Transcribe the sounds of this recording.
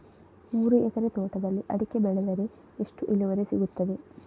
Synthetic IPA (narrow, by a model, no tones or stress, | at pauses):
muːɾuʔekɐɾet̪oːʈɐd̪ɐlːiʔɐ̰ɽikʲːɐbeɭɐlɐɾe | eʂʈuʔiluʋɐɾesiɡut̪ːɐd̪e